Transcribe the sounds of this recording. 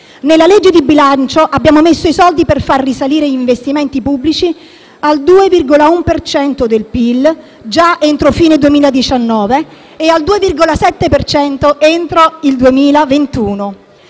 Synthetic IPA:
nelːaled͡ʒːed̪ibilant͡ʃoʔabːjaːmomesːoisɔld̪iperfarːisaliːɾeiɱvest̪iment̪ipubːlit͡ʃi | ald̪uːevirɡolaumpert͡ʃɛnt̪od̪elpil | d͡ʒaent̪ɾofiːned̪uemiːlad̪it͡ʃanːɔːveː | ald̪uːevirɡolasɛt̪ːepert͡ʃɛnt̪oʔent̪ɾoild̪uemiːlavent̪uːno

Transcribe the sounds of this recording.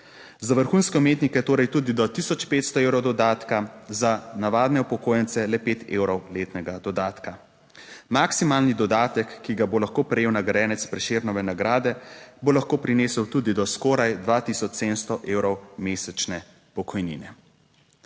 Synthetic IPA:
zaʋəɾxuːnskɛumeːt̪nikɛt̪oːɾajt̪uːd̪id̪ɔt̪isɔt͡ʃpeːt̪st̪ɔewɾɔwd̪ɔd̪aːt̪kazanaʋaːd̪nɛupɔkoːjɛnt̪sɛlɛpeːt̪ʰḛːwɾɔwleːt̪nɛɡad̪ɔd̪aːt̪ka | maksimaːlnid̪ɔd̪aːt̪ɛkːiɡabolaxkoːpɾɛjeːwnaɡɾɛːnɛt̪spɾɛʃeɾnɔʋɛnaɡɾaːd̪ɛbolaxkoːpɾineːsəwt̪uːd̪id̪ɔskɔːɾajd̪ʋat̪isɔt͡ʃseːd̪ənst̪ɔʔeːwɾɔwmeːsɛt͡ʃnɛ | pɔkʰɔjnḭnɛ

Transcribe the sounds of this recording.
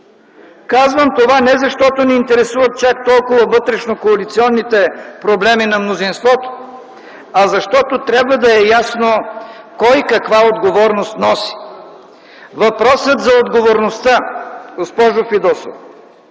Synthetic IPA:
kazvəmt̪ovanɛzɐʃt̪ɔt̪onɛint̪ɛɾɛsuvɐt̪̚t͡ʃak̚t̪ɔlˠkʊvɐvɤt̪ɾɛʃnokoɐlit̪siɔnːit̪ɛpɾoblɛminɐmnozinst̪vɔt̪o̥ | ɐzɐʃt̪ɔt̪ot̪ɾʲabvɐd̪ɐɛjasno | kɔjkɐkvaod̪ɡovɔɾnost̪nɔsi̥ | vɐpɾɔsət̪zɐod̪ɡovoɾnost̪aɡospɔʒʊfid̪ɔso̰f

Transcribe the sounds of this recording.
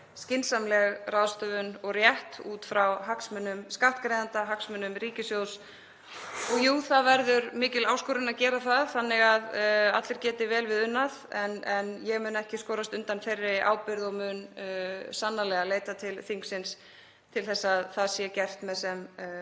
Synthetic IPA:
scɪnsamlɛɣrawðst̪œvʏnɔɣrjɛht̪uːt̪fɾawɦaksmʏnːʏmskaht̪kɾejðant̪aɦaksmʏnʏmɾiːcɪsjows | ɔɣjuθaðvɛɾðʏɾmɪːcɪlaːwskʏːɾʏnaðcɛːɾaθaðθanːɪɣaða̰t̪lɪɾ̥cɛːt̪ɪvɛːlvɪðʏnːaðɛnɛnjɛɣmʏːnɛhcɪskɔːɾast̪ʏnt̪anferːɪʔa̰ːwpɪɾðɔɣmʏːn | sanːalɛɣaleːjt̪at̪ʰɪlθiŋksɪns | t̪ʰɪlθɛsːaðθaðsjɛcɛr̥t̪mɛðsɛm

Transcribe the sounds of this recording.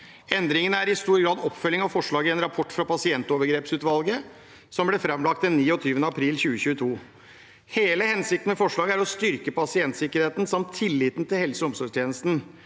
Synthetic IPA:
ɛnd̪ɾɪŋənəæɾɪst̪uːɾɡɾɑːd̪ɔpːfœlːɪŋɑʋfɔʂɭɑːɡəɛnɾɑpʰɔʈːfɾɑpɑsɪɛnt̪oːʋəɾɡɾeːpsʉːt̪ʋɑlɡə | sɔmblɛfɾɑmlɑk̚t̪̚d̪ɛnːiːɔt̪ʰyːʋənəɑpʰɾiːlçʉːəçʉːət̪ʰuː | heːləhɛnsɪkt̪n̩mɛfɔʂɭɑːɡəæɾɔst̪ʏɾkəpɑsɪɛnt̪sɪkəɾheːt̪nsɑmt̪ʰːɪlːɪːt̪n̩t̪ɪlhɛlsəʊmsɔʂt̪ʰjeːnəst̪n̩

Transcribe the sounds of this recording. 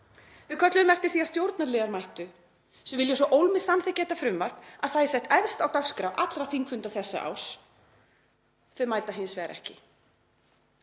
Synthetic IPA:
vɪkʰœt̪lʏmɛr̥t̪ɪ̥θiast̪jowɾt̪nalɛːɣaɾmajht̪ʏ | sɛvɪljɛsɔʔowlmɪsamθɛcːɛːt̪afɾʏmvar̥knaðθaðɛɾsɛht̪ɛvst̪awt̪askɾaʔat̪lɾafiŋkfʏnt̪aθɛsːa̰ʔa̰ws | θœmaːjt̪aɦɪjnsvɛːɾʔɛ̰hcɪ̰

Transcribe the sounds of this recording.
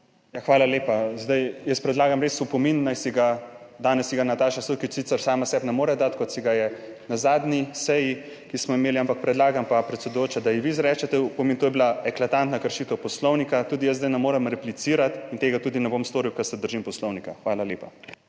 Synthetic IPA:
jaxʋaːlaleːpazd̪ajjəspɾɛd̪laːɡamɾeːsupɔminːajsiɡad̪aːnɛsːiɡanat̪aːʃasukit͡ʃsit̪səɾsaːmasɛbnɛmoːɾɛd̪at̪kɔt̪siɡajɛ | nazaːd̪nisɛji | kismɔimeːliampak̚pɾɛd̪laːɡampapɾɛt̪sɛd̪ʊjoːt͡ʃad̪ajiʋizɾɛt͡ʃɛt̪ɛupɔmint̪oːjɛblaɛklat̪ant̪nakəɾʃiːt̪ɔpɔslɔwnikat̪uːd̪ijəszd̪ajnɛmoːɾɛmɾɛplit̪siːɾat̪int̪eːɡat̪uːd̪inɛboːmst̪oːɾiwkɐsɛd̪əɾʒimpɔslɔwnikaxʋaːlaleːpa

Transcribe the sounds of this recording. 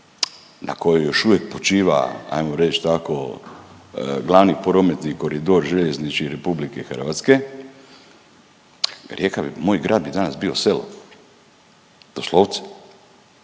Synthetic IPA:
nʔa̰kojojo̞ʃuʋjek̚pot͡ʃiːʋa̰a̰jmoɾet͡ʃt̪ako̰ | ɡlˠaʋnipoɾomet̪niko̞ɾid̪oɾʒeʎeznit͡ʃiɾepublikexr̩ʋat̪ske | ɾjekaimoːjɡɾʔaːd̪̚bid̪anasbiːo̞selo̰ | d̪̥oslˠoʋt̪sɛ̥

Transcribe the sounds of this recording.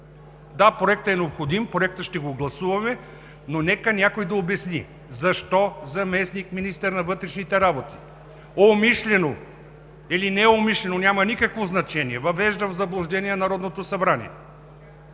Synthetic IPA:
d̪apɾoɛk̚t̪ɛnɛopxod̪impɾoɛk̚t̪əʃt̪ɛɡoɡlˠɐsuvɐmɛ | nonɛkənʲakojd̪ɐobɛsni | zɐʃt̪ɔzɐmɛsnikminist̪əɾnɐvɤt̪ɾɛʃnit̪ɛɾabot̪i̥ | omiʃlɛno | ilinɛomiʃlɛnonʲamɐnikəkvoznɐt͡ʃɛniɛvɐvɛʒd̪əvzɐblˠʊʒd̪ɛniɛnɐɾɔd̪not̪osɐbɾanḭɛ̰

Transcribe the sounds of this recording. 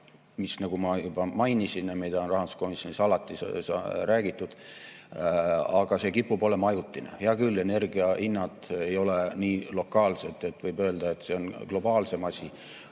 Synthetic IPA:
misnɑɡ̥umɑjubɑmɑjnisinjɑmid̪̥ɑonrɑɦhɑnd̪u̥sko̞misjonisɑlɑt̪ːˑisɑɾæːɡ̥it̪ːˑud̪̥ | ɑɡ̥ɑse̞kipːupo̞le̞mɑjut̪ːˑinḛjɑkylːe̞ne̞rɡiɑʔinːɑd̪ejo̞leniːlo̞kːˑɑːlse̞t̪ːˑe̞t̪ːˑvɤjbø̞ːld̪̥ɑe̞t̪se̞o̞nɡ̥lo̞bɑːlse̞mɑsʲi

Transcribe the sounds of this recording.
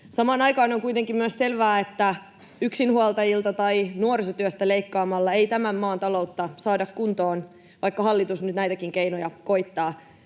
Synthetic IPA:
sɑmɑːnɑjkɑːnoŋkuijt̪e̞ŋkimyøsse̞lʋæːet̪ːæ | yksinhuolt̪ɑjilt̪ɑt̪ɑinuorisot̪yøst̪æleikːɑːmɑlːɑejt̪æmæmːɑːnt̪ɑlo̞ut̪ːɑsɑːdɑkkunt̪oːn | ʋɑjkːɑhɑlːit̪usnyt̪næjt̪ækiŋkeinojɑkoit̪ːɑː

